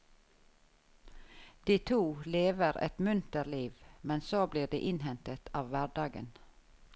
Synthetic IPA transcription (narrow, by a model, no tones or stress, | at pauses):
d̪̥iːt̪ʰuːleːʋəɾɛ̰t̪mʉnt̪əliːʋmɛnsoːbliːɖḛːʔɪnhɛnt̪ət̪ʰɑːʋʋæːɖɑːɡə̰n